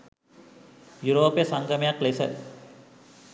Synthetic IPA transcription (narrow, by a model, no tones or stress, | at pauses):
juɾoːpjesaŋɡəmejaklesə̰